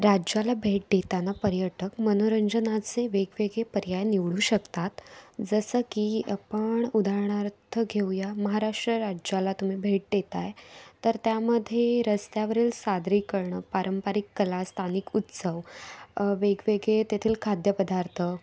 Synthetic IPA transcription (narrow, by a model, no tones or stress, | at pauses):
ɾad͡ʑjalabʱeʈ̚d̪et̪anapəɾjəʈəkmənoɾəɲd͡ʑənat͡seʋeɡʋeɡepəɾjajniʋɭuːɕəkt̪at̪d͡zəsəkiəpəɳud̪ʱaɾɳ̃aɾt̪ʰəɡʱejaməɦaɾaʂʈɾəɾad͡ʑalat̪um̤iːbʱeʈ̚d̪et̪ajt̪əɾt̪jaməd̪ʱːjeɾəst̪jaʋəɾiːlsad̪ɾiːkəɾɳəpaɾəmpaɾikːəlast̪ʰanikut̪səʋ | ʋeɡʋeɡet̪et̪ʰiːlkʰad̪ʱjəpəd̪aɾt̪ʰə